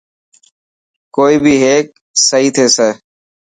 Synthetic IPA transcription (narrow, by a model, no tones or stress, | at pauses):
koːiːbʱiːɦeːk̚ | səɦiːt̪ʰeːseː